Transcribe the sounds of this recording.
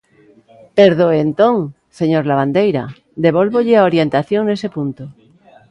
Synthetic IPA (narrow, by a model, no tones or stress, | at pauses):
peɾðoent̪õŋ | seɲoɾlaβ̞and̪ejɾa̰ | d̪eβ̞olβoʎɪaoɾjent̪aθjoŋnesepunt̪o